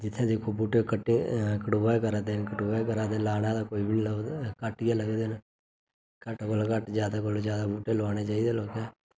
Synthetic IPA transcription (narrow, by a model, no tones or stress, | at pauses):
d͡ʒɪt̪ʰːẽːd͡ʒeːkʰuːbuːʈeːkəʈekəʈuʋaːkəɾaːt̪eːnkəʈuːʋaːkəɾãːt̪eːlaːɽãːd̪aːkoːiːbiːnkəʈɪjãːləɡd̪eːn | kəʈkolkəʈd͡ʒjaːd̪aːk̬old͡ʒjaːd̪aːbuːʈeːlʋaːñeːt͡ʃaːiːd̪eːloːkɛː